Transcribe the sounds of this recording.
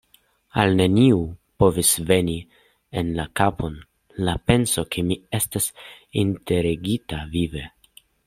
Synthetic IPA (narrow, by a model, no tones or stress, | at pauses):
alne̞niupo̞visve̞ni | enlakapʰo̞n | lape̞nso̞kʰemie̞stas | inte̞ɾeɡitavive̞